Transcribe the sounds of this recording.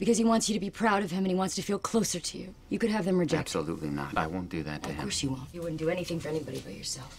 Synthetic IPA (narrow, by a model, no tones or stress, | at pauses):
b̥ɨkʌziwɑ̃ntsjɨɾɨbipʰɹ̥aʊɾʌv̥ɨ̃mɨ̃ñiwɑ̃ntstʰɨfilˠkʰl̥oʊsə˞ɾɨjʉ̰ | jɨkɨɾ̚ɨvðɨ̃mɹɨd͡ʒɛkəlṵtˡlḭnə̰ɾa̰ɪwõʊ̃nd̥ɨðɨ̰tʰɨhɪ̰kɔɹsjɨwõnjɨwʊdⁿn̩d̥ɨɛniθɪ̃ŋfə˞ɛnibɑɾibaɪjə̰˞sɛlˠf